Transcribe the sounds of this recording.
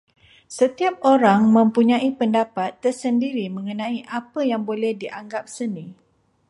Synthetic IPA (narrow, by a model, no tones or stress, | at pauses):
sət̪iap̚oɾaŋmə̃mpuɲãipəndapat̪ːərsəndiɾimə̃ŋənãiʔapəjaŋbolɛhdiʔaŋɡap̚sənĩ